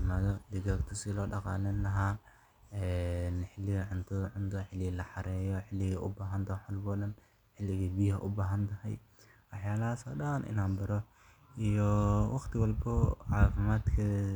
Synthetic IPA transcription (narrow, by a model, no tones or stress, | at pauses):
maːðɔd̪ɪɣaɡt̪ʰɐsɪlɔːɖɑqɑ̰ːlɐnlɐɦaː | ɛnħɪlːɪɣɐʕʊnt̪ʰɐðɐʕʊnt̪ʰɐħɪlːɪɣlɐħɑɾɛːjɔħɪlːɪɣɐʔʊbaːɦɐnt̪ʰɐħʊlbɔːɗɐn | ħɪlːɪɣibiːhɐ̰ʔʊbaːɦɐnt̪ʰɐhɛj | wɑħjaːlɐɦaːsɔ̰ːɗɐːnʔɪ̰naːnbɐɾɔ | ijɔwɑχt̪ʰɪwɑlbɔʕɑːfɪmaːd̪kʰɐ